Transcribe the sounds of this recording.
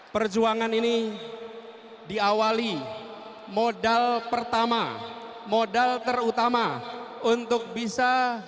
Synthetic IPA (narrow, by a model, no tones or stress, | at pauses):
pərd͡ʒuaŋanini | diawali | modalpərt̪ama̰ | modalt̪ərut̪amaunt̪ʊk̚bisa